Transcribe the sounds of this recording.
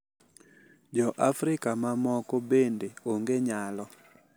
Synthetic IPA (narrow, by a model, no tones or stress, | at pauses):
d͡ʒɔʔafɾɪkamamɔkɔbendeoŋɡeɲalɔ